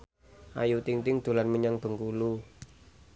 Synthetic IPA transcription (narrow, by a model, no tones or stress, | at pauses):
ʔa̰jut̪iŋt̪ɪŋd̪̥o̤lanməɲaŋb̥ə̤ŋkulu